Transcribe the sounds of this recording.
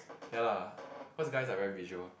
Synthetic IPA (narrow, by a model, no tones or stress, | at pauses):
jalafosɡaɪsavɛɹiviʒwəl